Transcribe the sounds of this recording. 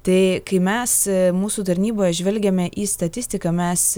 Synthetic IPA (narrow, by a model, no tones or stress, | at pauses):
t̪ɐɪkɐɪmʲɛsmuːsuːt̪ɐɾʲnʲiːboːjɛʒʲʋʲɛlʲɡʲɛmʲɛʔiːst̪ɐt̪ʲɪsʲt̪ʲɪkɐmʲɛs